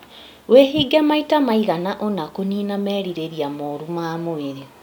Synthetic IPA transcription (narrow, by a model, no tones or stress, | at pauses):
weɦiːɡɛmaitamaiɣanaʔonakoniːnamɛːɾiɾeɾiamoːɾumamoeɾe